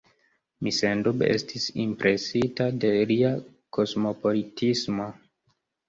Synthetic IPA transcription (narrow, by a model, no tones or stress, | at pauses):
misendubḛstʰisḭmpɾʔe̞sitade̞ɾia | kʰo̞smo̞po̞litʰismo̞